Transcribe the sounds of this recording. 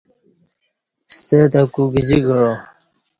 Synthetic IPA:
st̪əd̪akuɡid͡ʑiɡəɻo

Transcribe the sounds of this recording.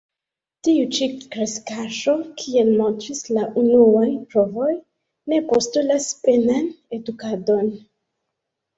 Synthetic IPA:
tiut͡ʃikɾeskaʃo̞kʰie̞lmo̞ntɾislaʔunuajpɾo̞vo̞j | ne̞postulaspe̞nane̞dukado̞n

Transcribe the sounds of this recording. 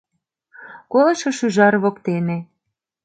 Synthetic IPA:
kolɑʃɤ̆ʃyʒɑɾβokt̪ene

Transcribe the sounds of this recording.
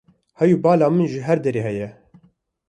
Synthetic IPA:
hɛjubɑːlaːmɨnʒɪɦɛɾd̪ɛɾeːɦɛjɛ

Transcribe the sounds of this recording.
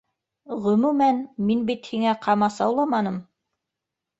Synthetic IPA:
ʁɵ̆mumænminbit̪hiŋæqʰɑmɑsɑwlˠɑmɑnɤm

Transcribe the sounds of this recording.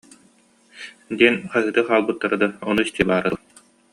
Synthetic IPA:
d̪iɛnχaɦɯt̪ɯχaːlˠbɯt̪ːaɾɯd̪aɔnuist̪iɛbaːɾa

